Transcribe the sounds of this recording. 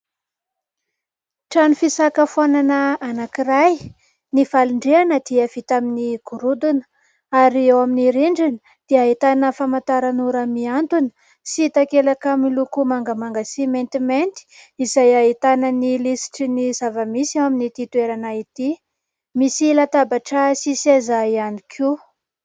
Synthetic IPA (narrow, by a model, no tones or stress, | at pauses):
ʈ͡ʂanufisakəfananəanakiraj | nivaluɳɖ͡ʐeanəd̪̥iav̥it̪aminiɡ̥uɾud̪unə̥ | aɾiewaminiɾiɳɖ͡ʐinə | d̪̥eaɦit̪anəfamant̪aɾanuɾamiant̪unə̥ | sit̪akelakamilukumaŋɡəmaŋɡasiment̪iment̪i̥izajaɦit̪anənilisi̥ʈ͡ʂinizavəmisewaminit̪it̪ueɾanait̪i | misilat̪abaʈ͡ʂəsisezajanikʰu